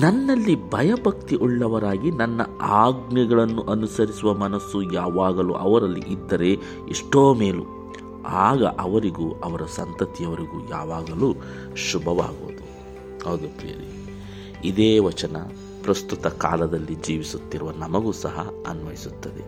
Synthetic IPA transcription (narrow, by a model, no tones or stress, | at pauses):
nɐnːɐlːibʱɐjɐbʱɐk̚t̪iʔuɭːɐʋɐɾaːɡinɐnːɐ̰aːɡnɛɡɐɭɐnːuʔɐnusɐɾisuʋɐmɐnɐsːujaːʋaːɡɐlṵʔɐʋɐɾɐlːḭʔid̪ːɐɾe̞ | iʂʈoːme̞ːlu | aːɡɐ̰ʔɐʋɐɾiɡuɐʋɐɾɐsɐnt̪ɐt̪ijɐʋɐɾiɡuːja̰ːʋaːɡɐluː | ʃubʱɐʋa̰ːɡo̰ːd̪u | ɦɐwd̪upḛːɾi | id̪eːʋɐt͡ʃɐnɐ | pɾɐst̪ut̪ɐka̰ːlɐd̪ɐlːid͡ʒiːʋisut̪ːiɾuʋɐnɐmɐɡuːsɐɦɐ̰ɐ̰nʋɐjisut̪ːɐd̪e̞̰